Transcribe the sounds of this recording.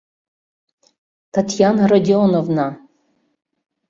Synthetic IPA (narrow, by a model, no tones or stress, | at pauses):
tʰatʰjanradʲionovna